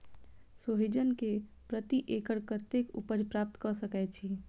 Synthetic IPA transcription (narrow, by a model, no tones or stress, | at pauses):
soɦid͡ʒənke | pɾət̪iʔekəɾkət̪ekṵpəɾpɾap̚t̪kəsəkɛt͡ʃʰi